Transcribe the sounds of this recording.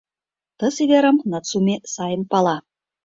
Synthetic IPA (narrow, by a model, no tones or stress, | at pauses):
t̪ɤsid̪ʲeɾəmnɑt̪t͡sumesɑjənpɑlˠɑ